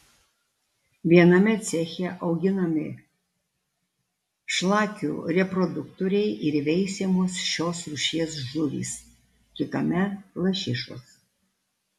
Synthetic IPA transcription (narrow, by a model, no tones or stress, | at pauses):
ʋʲiɛnɐmʲɛt̪sʲɛxʲɛʔɐʊɡʲɪnɐmʲɪ | ʃlˠɑːkʲṵːɾʲɛpɾɔd̪ʊk̚t̪oɾʲɛɪʔɪɾʋʲɛɪsʲemoːsʃʲoːsɾʊʃʲiɛsʒʊʋʲḭːs | kʲɪt̪ɐmʲɛlˠɐʃʲɪʃo̰ːs